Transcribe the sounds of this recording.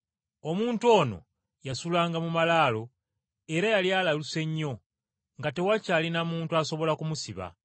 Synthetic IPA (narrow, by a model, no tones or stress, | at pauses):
o̞muːntuo̞no̞̰ | jasulaːŋɡamumalaːlo̞ | e̞ɾajaljalaluse̞ɲːo̞ | ŋɡate̞wacaːlinamuːntuaso̞βo̞lakumusiβa̰